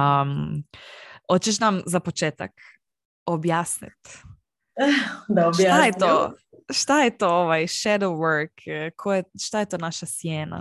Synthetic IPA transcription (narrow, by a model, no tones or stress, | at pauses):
m | hot͡ʃeʃ̬namzapot͡ʃeːt̪a̰k | objaːsnḭt̪ | d̪aobʃjt̪ajett̪oʃt̪ajet̪ooʋajʃed̪oʋəɾkkʰːojeʃt̪ajet̪oːnaʃasjeːna̰